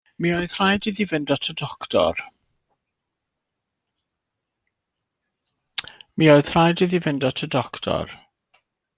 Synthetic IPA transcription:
miːoɨð̥r̥ajdɪðivɪndatʰədɔktʰɔ̰r | mioɨð̥r̥ajdɪðivɪndatʰədɔktʰɔ̰r

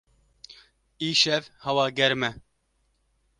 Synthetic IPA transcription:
iːʃɛvhɐwɑːɡɛɾmɛ

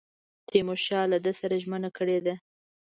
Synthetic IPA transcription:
t̪emoʃɑlad̪əsaɾaʒmənakəɽed̪a

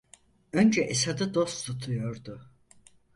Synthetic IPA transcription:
ønd͡ʒɛʔesad̪ɯd̪o̞st̪ʰut̪ʰujoɾd̪u

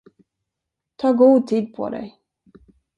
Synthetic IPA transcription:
t̪ʰɑːɡuːt̪ʰiːd̪̚pʰɔ̰d̪ɛ̰j

